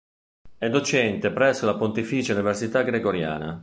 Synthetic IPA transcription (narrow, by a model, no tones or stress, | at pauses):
ɛd̪ot͡ʃɛnt̪epɾɛsːolapont̪ifiːt͡ʃeuniversit̪aɡɾeɡoɾja̰ːna̰